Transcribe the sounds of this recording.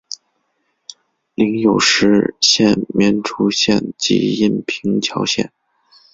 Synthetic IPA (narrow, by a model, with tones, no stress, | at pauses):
li˧˥ŋjo˨˩ʊʂɻ̩˧˥ɕjɛ˥˩nmjɛ˧˥nʈ͡ʂʰu˥ɕjɛ̰˥˩nt͡ɕḭ˧˥i˥˩npʰi˧˥ŋt͡ɕʰjɑ˧˥ʊɕjɛ̰˥˩n